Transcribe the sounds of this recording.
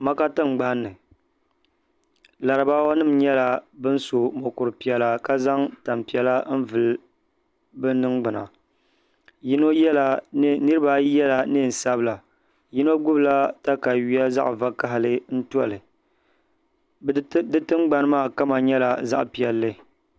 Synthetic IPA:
ma˦ka˦tɨ˦ŋ͡mɡ͡ba˦nːɨ˨ | la˨ɾɨ˨ba˦wa˦nɨ˦mɲɛ˦la˨bɨ˦n̩˦so˨mo˨kʊ˨ɾɨ˨pi˨ɛ˨la˦ka˦za˦ŋta˨mpi˨ɛ˨la˦n̩˦vɨ˨l | bɨ˦nɨ˦ŋɡ͡bɨ˨na̰˨ | ji˦no˦jɛ˦la˨˦nɨ˦ɾɨ˦ba˦jɛ˦la˨nɨ˦n̩˨sa˦bɨ˦la˨ | ji˦no˦ɡʊ˦bla˦ta˦ka˨ɥi˦a˦za̰˦ʔva˦ka˦ɦɪ˦lɨ˦n̩˦tu˦a̰˦lɨ˨ | dɨ˦tɨ˦ŋ͡mɡ͡ba˦n˦maː˦˨ka˦ma˨ɲɛ˦la˨za̰˦ʔpi˨ɛ˨lːɨ˦

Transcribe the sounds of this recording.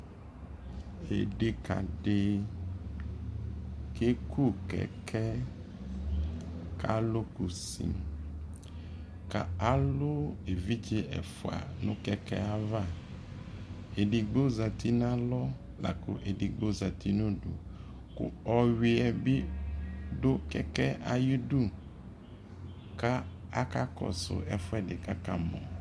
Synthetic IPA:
ḛ˨ɖe˨ka̰˨ɖe˦ | ke˦ku˦kɛ̰˨kʰɛ˦ | ka̰˦lo˦ku˨sḭ˨m | ka˨a˦lo˦e˨vi˦d͡ʒe˦ɛ̰˨fʊ˨a̰˨nʊ̃˦kɛ˦kɛ̰˦a˦va˦˨ | e˨di˨ɡ͡bo˦za˨ti˦n˦a˦lɔ˦ | la̰˨kʊ˦ʔe˨di˨ɡ͡bo˦za˨ti˦nʊ̃˦dʊ̰˨ | kʊ̰˨ɔ˨ɥi˨ɛ˨bi˦ | dʊ˦kɛ˦kɛ˦a˨ji˦du˦ | ka˦a˦ka˦kɔ̰˨sʊ̰˨ʔɛ˨fʊ˦ɛ˦dɪ˨ka˦ka˨mɔ̰̃˨

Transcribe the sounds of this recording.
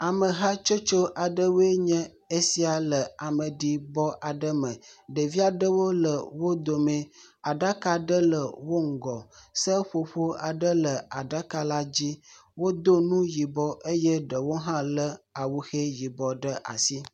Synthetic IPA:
a˨mə˨ɦa˦t͡ʃo˦t͡ʃo˦ʔa˨ɖə˦wo˦e˦ɲɛ̃˦ | e˦si˦a˨lə˨a˨mə˨ɖi˦bɔ˦ʔa˨ɖə˦mə̃˨ɖə˨vi˦a˨ɖə˦wo˦lə˨wo˦d̪o˨mẽ˦a˨ɖa˦ka˦ɖə˦lə˨wo˦ŋ̩˨ɡɔ˨sə˦ɸo˨ɸo˦a˨ɖə˦lə˨a˨ɖa˦ka˦la˦d͡ʑi˦wo˦d̪o˦nũ˦ji˨bɔ˨ʔe˦jɛ˦ɖə˨wo˦ɦã˦lə˦a˨wu˦xe˦ji˨bɔ˨ɖə˦ʔa̰˨si˦

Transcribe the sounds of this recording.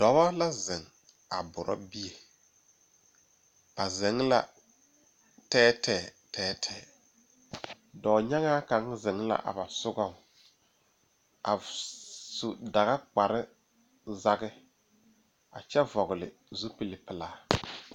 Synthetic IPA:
d̥ɔ˨˦ba˦la˦zɪ˨ŋ | a˨bʊ˨ɾʔɔ̰˦bi˦je˨ | b̥a˨zɪ˨˦ŋ˦la̰˦ | tɛː˦tʰɛː˨tɛː˦tʰɛː˨ | dɔː˨ɲa˦ŋaː˦ka˨˦ŋzɪ˨ŋla̰˦ʔa̰˨ba˨sʊ˦ɡɔ˦˨ŋ˨ | a̰˨ | su˨da˨ɣa˦k͡pa˨ɾɪ˦ | za˦ɡɪ˦ | a̰˨t͡ʃɛ˦vɔ˨ɣɪ˨lɪ˨ | zu˦pi˦lɪ˨pɪ˨laː˦

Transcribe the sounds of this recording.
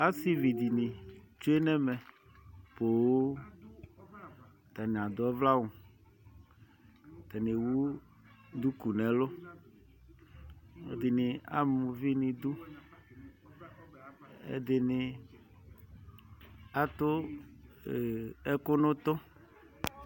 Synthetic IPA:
a˦si˦vi˨d̪i˨nĩ˨ | t͡ʃu˦e˦nɛ̃˦mɛ̃˨ | po˨˦ | t̪a˨nĩ˨a˨d̪ʊ˨˦ɛ˦vla˦wũ˨ | t̪a˨nẽ˨wu˦ | d̪u˦ku˨nɛ̃˨lʊ˦ | ḛ˨d̪ɪ˨nɪ̃˨a̰˦mũ˨vi˦nĩ˨d̪u˦ | ḛ˦d̪ɪ˨nɪ̃˨ | a˦t̪ʊ˦˨ | ɛ˦kʊ˦nʊ̃˦t̪ʊ˦

